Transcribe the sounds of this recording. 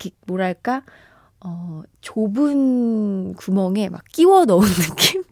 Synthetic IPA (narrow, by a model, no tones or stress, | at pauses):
kʰek̚moɾaɭk͈a | ʌt͡ɕobɯn | kumʌŋe̞ma̰kk͈iwʌnʌunːɯk͈ʰːim